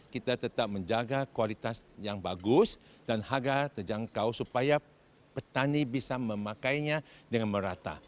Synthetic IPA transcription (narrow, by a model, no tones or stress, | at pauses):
kit̪at̪ət̪ap̚mə̃ɲd͡ʒaɡakualit̪asjaŋbaɡʊs | danhaɡat̪əd͡ʒaŋkawsupaja | pət̪anibisamə̃mãkajɲãdəŋanmə̃ɾat̪a̰